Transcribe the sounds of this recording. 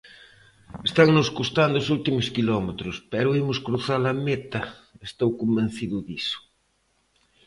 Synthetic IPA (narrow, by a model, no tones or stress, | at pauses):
est̪aŋnʊskust̪and̪ʊsult̪imʊskilɔmet̪ɾʊspɛɾʊimʊskɾuθalɐmet̪ɐest̪owkomben̟θiðʊðisʊ̥